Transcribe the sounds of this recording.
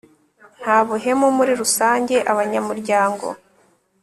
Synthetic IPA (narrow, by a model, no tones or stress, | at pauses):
n̥haːβuɦe̞momuɾiɾusaːɲɟe̞ʔaβaɲamuɾɟaːŋɡo̞̰